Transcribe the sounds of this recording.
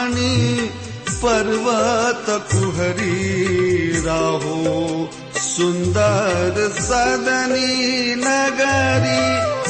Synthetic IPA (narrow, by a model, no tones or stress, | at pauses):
ni | pɐɾʋɐt̪ɐkuɦɐɾi | ɾaːɦo | sund̪ɐɾsaːd̪ʱɐninɐɡɐɾi